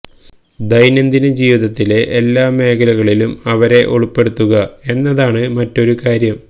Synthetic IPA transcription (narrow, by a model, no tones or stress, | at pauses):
d̪ɐjnɐnd̪inɨd͡ʑiːʋiðɐt̪ːile̞ʔelːaːme̞ːkʰɐlɐɣɐɭilumɐʋɐɾe̞ʔoɭupːe̞ɽut̪ːuɣɐe̞nːɐðaːɳɨmɐtːo̞ɾukaːɾjɐm